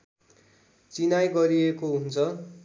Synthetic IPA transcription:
t͡sinajɡʌɾiekoɦunt͡sʰʌ

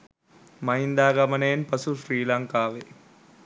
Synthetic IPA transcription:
mɐjnd̪aːɡɐmɐneːnpɐsufɾiːlaŋkaːʋe

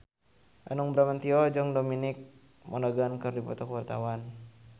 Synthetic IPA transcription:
ʔanɔŋbɾamant̪iɔd͡ʒɔŋdominik̚ | mɔnaɡankɨrdipɔt̪ɔkəwart̪a̰wan

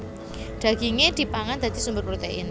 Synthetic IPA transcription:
ɖ̪̥ä̤ɡ̥iŋed̪̥i̤paŋand̪̥a̤d̪̥i̤sumbʊrpɾot̪eʔɪ̰n

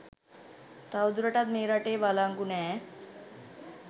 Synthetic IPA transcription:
t̪awd̪uɾəʈat̪meɾaʈeʋalaŋkunɛ

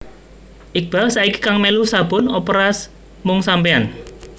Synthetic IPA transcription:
ʔɪk̚b̥a̤lsaiki̥kaŋmelusab̥ʊ̤nɔpɾas | mʊŋsampean

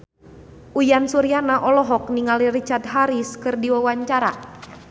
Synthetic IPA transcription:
ʔujansuɾianaʔɔlɔɦɔk̚niŋalirit͡ʃard̪̚ɦaɾiskɨrdiwawaɲt͡ʃaɾa

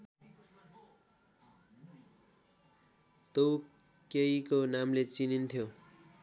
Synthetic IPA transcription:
t̪ow | keikonamlet͡sinint̪ʰjo

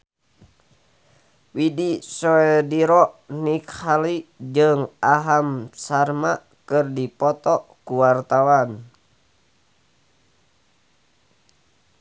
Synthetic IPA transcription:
widisɔɛdiɾɔʔnikhalid͡ʒɨŋaɦamsarma | kɨrdipɔt̪ɔkuwart̪awan

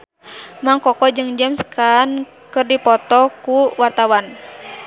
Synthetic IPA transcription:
maŋkɔkɔd͡ʒɨŋd͡ʒəmskan | kɨrdipɔt̪ɔkuwart̪awan

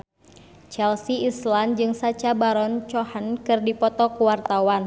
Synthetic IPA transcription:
t͡ʃɛlsiisland͡ʒɨŋsat͡ʃabaɾɔnt͡ʃɔhənkɨrdipɔt̪ɔkuwart̪awan

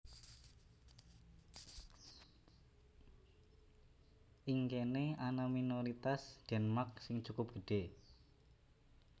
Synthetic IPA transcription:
ʔiŋkeneanaminoɾit̪asd͡ʒ̥ɛ̤nmak̚sɪŋt͡ʃukʊp̚ɡ̥ə̤ɖ̥e

